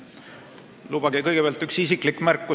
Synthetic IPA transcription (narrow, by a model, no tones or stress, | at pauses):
lub̥ɑɡikɤjɡ̥e̞peɑlt̪ːyksisikˑlikːˑmærkːˑu